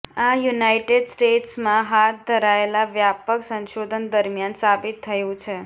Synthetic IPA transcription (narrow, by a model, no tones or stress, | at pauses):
ajunaiʈeɖsʈeʈsmãɦat̪̚d̪ʱəɾaelaʋjapəksə̃nʃod̪ʱənd̪əɾmjansabit̪ʰːəjũt͡ʃʰe